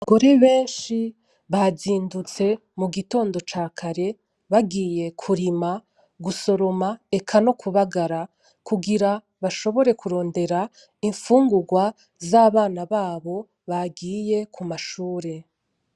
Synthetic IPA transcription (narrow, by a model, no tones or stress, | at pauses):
aɡo̞ɾe̞βe̞ːnʃi | βaziːndut͡se̞ | muɡito̞ːndo̞t͡ʃaːkʰaɾe̞ | βaɡiːje̞kʰuɾima | ɡuso̞ɾo̞mae̞kʰano̞kʰuβaɡaɾa | kʰuɡiɾa | βaʃo̞βo̞ɾe̞kʰuɾo̞ːnde̞ɾa | iɱfuːŋɡuɡwa | zaːβaːnaβaːβo̞ | βaɡiːje̞kʰumaʃuːɾe̞